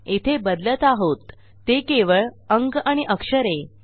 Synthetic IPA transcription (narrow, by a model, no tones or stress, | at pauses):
et̪ʰebəd̪lət̪aɦot̪ː | ekeʋəɭəŋɡaɽ̃iʔəkʂəɾe